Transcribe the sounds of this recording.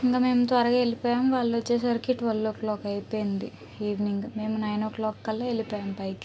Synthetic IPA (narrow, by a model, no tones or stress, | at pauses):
iŋkaːme̞ːmut̪ʋɐɾɐɡaːelipɔːjaːmʋaːɭːuʋot͡ʃːe̞ːs̬ɐɾkiʈːʋɐlːoːklɔːkɐjpoːjind̪i | iːʋniŋɡme̞ːmunɐjnoːklɔːkːɐlːɐelipɔːjaːmpɐjki